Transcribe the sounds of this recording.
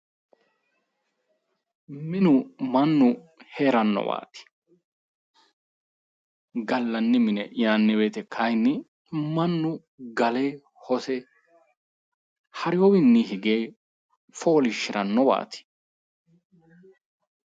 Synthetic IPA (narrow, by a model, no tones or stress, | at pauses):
mɪnʊmɐnːʊ | heːɾɐnːɔ̰wa̰ːt̪ɪ̥ | ɡɐlːɐnːɪmɪnɛ̰jaːnːɪweːt̪ɛkʰɐjnːɪ | mɐnːʊ | ɡɐleː | hɔsɛ | hɐɾɪjɔwɪnːihɪɡeː | foːlɪʃːɪɾɐnːɔwa̰ːt̪ɪ̥